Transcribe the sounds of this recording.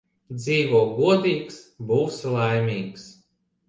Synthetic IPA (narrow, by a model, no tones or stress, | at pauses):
d̪ziːvuːɡuɔd̪ʲiːksbuwsʲlˠajmʲiːks